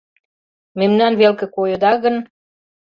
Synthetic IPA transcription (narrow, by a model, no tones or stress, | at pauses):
memnɑnβelkĕkojə̆d̪ɑɣə̆n